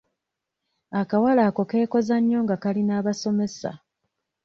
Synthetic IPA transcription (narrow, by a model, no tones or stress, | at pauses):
akawalaːko̞ke̞ːko̞zaɲːo̞ːŋɡakalinaːβaso̞me̞sa̰